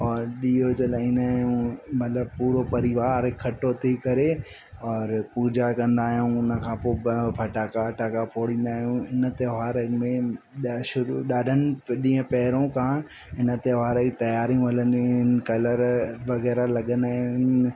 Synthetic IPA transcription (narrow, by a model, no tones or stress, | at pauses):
ɔːɾɗiːot͡ɕɐlaːĩːnd̪aːɦjũmɐt̪ləb̚puːɾopɐɾɪʋaːɾkʰːɐʈot̪ʰikɐɾe | ɔːɾpuːd͡ʑakɐ̃nd̪aːɦijũʊnə̆kʰãːpobbʱɐʈaːkaʈaːkapʰoːɽ̤ĩːnd̪aːɦijũɪnə̆t̪eʋaːɾmẽ | ɗʃʊɾuɗaːɖʱənɪ̆ɗĩːə̃pɐɦɪɾõkʰãː | ɪnə̆t̪eʋaːɾait̪ɐjaːɾijũɦɐlənɪnkɐləɾʋɐɣɛːɾalɐɠə̃nd̪aːɪn